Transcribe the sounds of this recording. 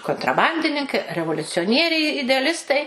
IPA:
koːntrɐˈbɐnʲdʲɪnʲɪŋkɐɪ rʲɛʋoːlʲʊt͡sʲoːˈnʲiɛrʲɛɪ ɪdʲɛɐˈlʲɪstɐɪ

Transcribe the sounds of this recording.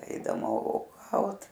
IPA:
ˈɛɪdɐmɐ oːˈɡɐʊt

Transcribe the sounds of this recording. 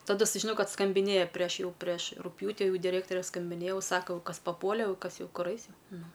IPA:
tɐˈdʊ sʊʒʲɪˈnoːjɛʊ ˈkɐt skɐmʲbʲɪˈnʲeːjɛ pʲrʲiɛʃ ˈjɛʊ pʲrʲiɛʃ rʊkˈpʲjuːtʲɪ ˈjɛʊ dʲɪˈrʲeːktoːrʲɛ skɐmʲbʲɪnʲeːjɛ ˈjɛʊ ˈsɑːkoː jɛʊ ˈkɐs pɐˈpuɔlʲɛ jɛʊ ˈkɐs ˈjɛʊ ˈkʊr ˈɐɪs ˈjɛʊ ˈnʊ

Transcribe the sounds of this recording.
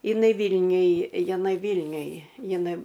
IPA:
ɪˈnɐɪ ˈʋʲiːlʲnʲʊj jɪˈnɐɪ ˈʋʲiːlʲnʲʊj jɪˈnɐɪ

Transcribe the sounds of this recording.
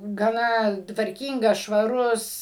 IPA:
ɡɐˈnɐ tʋɐrʲˈkʲiːŋɡɐs ʃʋɐˈrʊs

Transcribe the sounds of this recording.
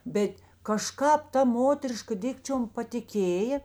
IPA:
ˈbʲɛt kɐˈʃkɑːp ˈtɐ ˈmoːtʲɛrʲɪʃkɐ ˈdʲɪkt͡ʃʲoːm pɐtʲɪˈkʲeːjeː

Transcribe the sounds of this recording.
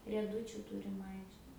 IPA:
rʲiɛˈdʊt͡ʃʲʊ ˈtʊrʲɪm ˈɐɪkʃʲtʲɛ

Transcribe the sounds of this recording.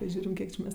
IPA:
ˈʒʲuːrʲɪm ˈkʲiɛk t͡ʃʲɪ ˈmʲɛs

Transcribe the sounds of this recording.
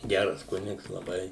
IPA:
ˈɡʲærɐs ˈkʊnʲɪks lˠɐˈbɐɪ

